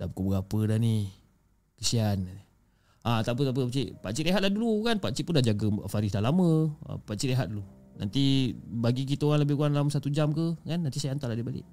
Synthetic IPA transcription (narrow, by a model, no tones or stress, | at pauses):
dapkubəɡapədani | kəsian | at̪ap̬ut̪ap̬əpat͡ʃiʔpaʔt͡ʃiʔeɦat̪̚lahdulukanpat͡ʃiʔpundad͡ʒaɡəfaɾisdalaməə̰paʔt͡ʃiʔeɦat̪̚dulu | na̰nt̪ibaɡik̬it̪əoɣaŋləbɪkuaŋnlaməsat̪ud͡ʒamkəkanːant̪isajant̪alahdibalɪ̰ʔ